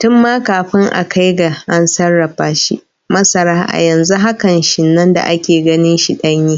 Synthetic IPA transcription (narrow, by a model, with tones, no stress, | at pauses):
tʊ˦mːaː˦kaː˨ɸɪ˦ŋʔa̰˨kʰa˦jɡa˨ʔa˦nsɐ˦rːɐ˨ɸaː˦ʃḭ˦ | mɐ˦sɐ˨ɾaː˦ʔa̰˨jɐ˨nzu˦ɦa˦kɐ˨nʃɪ˨nːɐ˦nda̰˨ʔa˦kʲeː˨ɡɐ˦nɪ˦nʃi˦ɗɐ˦ɲjiː˦